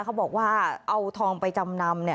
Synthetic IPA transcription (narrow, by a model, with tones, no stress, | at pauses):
kʰa˦˥wbɔː˨˩k̚waː˥˩ʔa˧wt̪ʰɔː˧ŋpa˧jt͡ɕa˧mna˧mni˥˩